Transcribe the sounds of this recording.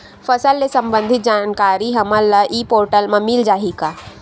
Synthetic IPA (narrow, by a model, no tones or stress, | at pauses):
fəsəlːesəmbə̃nd̪ʱit̪̚d͡ʒaːnkaːɾiɦɐmalːəʔipoːɾʈəlmãmild͡ʒaːɦika